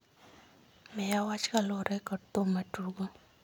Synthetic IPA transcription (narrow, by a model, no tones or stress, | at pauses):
mɛjawat͡ʃkalɔɾʔɛkɔt̪omatuɡo